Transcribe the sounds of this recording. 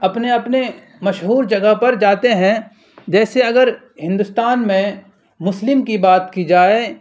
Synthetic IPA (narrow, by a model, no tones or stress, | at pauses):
ɐpneɐpne | mɐʃɦuːɾd͡ʒɐɡəɦpɐɾd͡ʒaːt̪eɦɛ̃ | d͡ʒɛːseɐɡəɾ | hɪ̃nd̪ʊst̪aːnmẽ | mʊslɪmkibaːt̪kid͡ʒaːe